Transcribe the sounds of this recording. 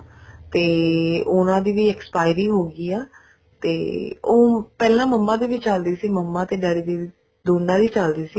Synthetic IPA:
t̪eːʊnãːd̪iːʋiːɛkspaːɪɾiːɦoːɡiːaː | t̪eːoːpɛːlãːməmːãːd̪iːʋɪt͡ʃːt͡ʃəld̪iːsiːməmːãːt̪eːɖaːɽiːd̪iː | d̪oːnːãːd̪iːt͡ʃəld̪iːsiː

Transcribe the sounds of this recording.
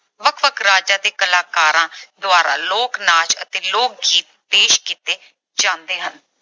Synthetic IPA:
ʋəkʰʋəkʰɾaːd͡ʒaːd̪eːkəlaːkaːɾãːd̪ʊaːɾa̰ːloːknaːt͡ʃə̰t̪eːloːk̚ɡiːt̪̚peːʃkiːt̪eː | d͡ʒãːnd̪eːɦən

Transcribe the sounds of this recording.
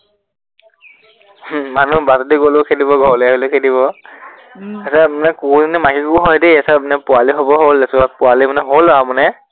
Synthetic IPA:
manubatɔdiɡolokʰetibɔɡʱɔɹljɦolokʰediβɔ | asɛmanɛkuzinɛmakikuɦɔjdeasɛmanɛpʊaliɦobɔɦolɛsʊapʊalimanɛɦolamɔnɛ

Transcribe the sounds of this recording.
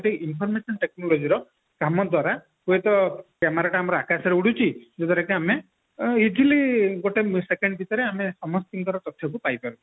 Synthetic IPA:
ɡoʈeinpʰɔɾmesɔnʈeknɔlod͡ʒiɾɔ | kamɔd̪waɾa | kuet̪ɔkemaɾaʈaːmɔɾɔakasɔɾeuɽut͡ʃʰid͡ʒet̪ɔɾekeame | id͡ʒiliɡoʈesekeɳɖɔbʱit̪ɔɾeamesɔmɔst̪iŋɡ̪ɔɾɔt̪ɔt̪ʰjɔkupajpaɾut͡ʃʰii̥

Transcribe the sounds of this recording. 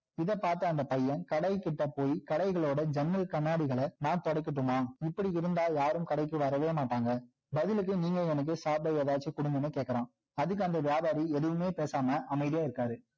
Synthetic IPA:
ɪðɐpaːɾt̪ɐːnd̪ɐpɐjːɐnkɐɽɐɪkːɪʈːɐpoːjkɐɽɐɪɣɐɭoːɽɐd͡ʒɛnɾɐlkɐɳːaːɽɪɣɐɭɐnaːnt̪ɔɽɐɪkːɪʈːɯmaːɪpːɐɽiɪɾɯnd̪aːljaːɾɯmkɐɽɐɪkːɯʋɐɾɐʋeːmaːʈːaːŋɡɐ | bɐðɪlɯk̬ːɯniːŋɡɐɛnɐk̬ːɯsaːbɐjɛðaːt͡ʃːikʊɽʊŋɡ̪ɯnːɯkeːʈkːɐɾãː | ɐðɯk̬ːɯɐnd̪ɐʋjaːbaːɾiɛðɯʋɯmeːpeːsaːmɐʔɐmɐɪðɪjaːɪɾɯkːaːðɯ

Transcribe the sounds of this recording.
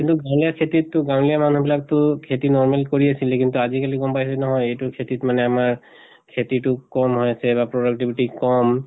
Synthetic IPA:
kintuɡãw̃lijakʰetitːʊɡãw̃lijamanubilak̚tʊkʰetinɔɹmelkoɹiasilɛkintuazikalikɔmpajasɛnɔɦɔjejtukʰetitmanɛamaɹ | kʰetitʊkɔmɦɔjasɛbapɹodak̚ʈibʱiʈikɔm

